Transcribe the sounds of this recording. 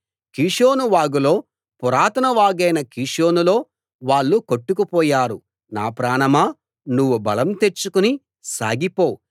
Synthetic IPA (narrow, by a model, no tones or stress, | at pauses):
kiːʂoːnuʋaːɡulo̞ː | puɾaːt̪ɐnɐʋaːɡɐjnɐkiːʂoːnulo̞ː | ʋaːɭːukoʈːukupɔːjaːɾu | naːpɾaːɳɐmaː | nuʋːubɐlɐmt̪eɾt͡ʃːukuni | sa̰ːɡipo̞ː